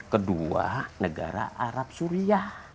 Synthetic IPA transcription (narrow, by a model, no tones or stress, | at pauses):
kədua̰nəɡa̰ɾa̰ʔaɾap̚suɾiah